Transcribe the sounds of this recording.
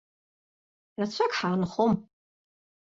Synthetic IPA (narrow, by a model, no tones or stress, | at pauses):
rat͡ɕʷʰakʰħaːnχom